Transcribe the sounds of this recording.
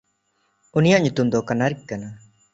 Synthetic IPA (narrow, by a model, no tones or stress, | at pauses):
unijaʔɲut̪umd̪ɔkanaɾikːana